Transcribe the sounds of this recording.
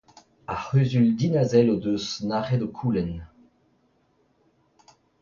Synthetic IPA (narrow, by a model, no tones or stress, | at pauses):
aχøːzyld̪inazɛlod̪øsnaʁɛdokʰuːlɛn